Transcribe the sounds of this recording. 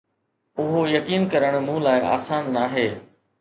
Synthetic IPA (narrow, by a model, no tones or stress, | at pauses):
ʊɦojɐkiːnkɐɾəɽ̃mũlaːɪʔa̰ːsaːnːaːɦeː